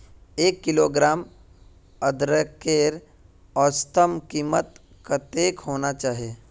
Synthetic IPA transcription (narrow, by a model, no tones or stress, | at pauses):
eːkːɪloːɡɾaːm | əd̪ɾəkeːɾ | ɔːɾst̪ʰəmkiːmət̪ | kat̪eːkɦoːnat͡ʃaːɦieː